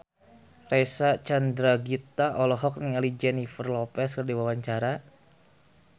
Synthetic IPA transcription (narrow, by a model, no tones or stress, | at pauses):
resat͡ʃand̪ɾaɡit̪aʔɔlɔɦɔk̚niŋalid͡ʒɛnifərlɔpɛskərdiwawaɲt͡ʃaɾa